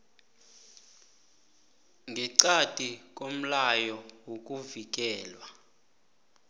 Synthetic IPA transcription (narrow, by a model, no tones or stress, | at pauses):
ŋɡʱiǀatʼikʼom̩lajɔwok̬ʼuvik̬ʼɛːlwa